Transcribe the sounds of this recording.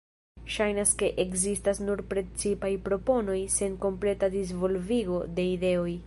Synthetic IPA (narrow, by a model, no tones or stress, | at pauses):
ʃajnaske̞ʔekzistasnuɾpɾe̞t͡sipajpɾo̞po̞no̞jse̞ŋko̞mple̞tadiz̬vo̞lviɡo̞de̞ide̞o̞j